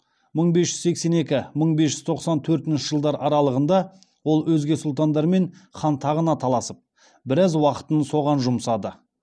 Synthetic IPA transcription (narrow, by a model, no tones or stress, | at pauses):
məɴbe̞sʒ̥ʏz̥se̞kse̞ne̞kʲɪməɴbesʒʏzt̪ʰo̞qsɑnt̪ʰɵɾt̪ɪnʃɪʒ̥əlˠd̪ɑɾʔɑɾɑlˠəʁənd̪ɑ | wo̞lˠwɵzɡʲe̞sʊlˠt̪ɑnd̪ɑɾme̞ɴχɑnt̪ʰɑʁənɑt̪ʰɑlˠɑsəp̚ | bɪɾɑzwɑqə̥t̪ənso̞ʁɑnʒʊmsɑd̪ə